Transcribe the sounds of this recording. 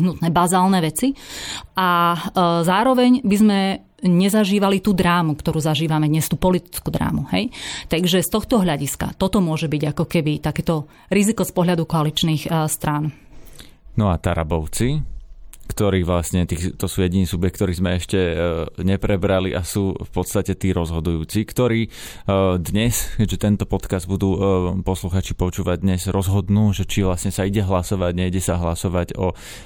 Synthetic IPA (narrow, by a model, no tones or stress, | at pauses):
ɦnut̪nɛbazaːlnɛʋɛt͡siʔa | zaːɾɔʋɛɲbizmɛ | ɲɛzaʒiːʋalit̪uːd̪ɾaːmukt̪ɔɾuːzaʒiːʋamɛd̪ɲɛst̪uːpɔlit̪i̥t͡skuːd̪ɾa̰ːmuhɛjt̪aɡʒɛst̪ɔxt̪ɔɦʎaɟiska̰t̪ɔt̪ɔmʊɔʒɛbiɟakɔkɛbit̪akɛːt̪ɔ | ɾizikɔspɔɦʎad̪ukɔalit͡ʃniːxst̪ɾan | nɔat̪aɾa̰bɔʊt͡si | kt̪ɔɾiːʋlasɲɛt̪iːxt̪ɔsuːjɛɟiniːsubjɛk̚t̪ɔɾiːzmɛɛʃcɛɲɛpɾɛbɾaliʔasuːfpɔt̪st̪acɛt̪iːɾɔzɦɔd̪ujuːt͡sikt̪ɔɾiː | d̪ɲɛskɛɟʒɛt̪ɛnt̪ɔpɔt̪kazd̪̚bud̪uːpɔsluxaːt͡ʃipɔt͡ʃuːʋaɟ̚d̪ɲɛzɾɔzɦɔd̪nuːʒɛt͡ʃiʋlasɲɛsaiɟɛɦlasɔʋaɟɲɛiɟɛsaɦlasɔʋaɟɔ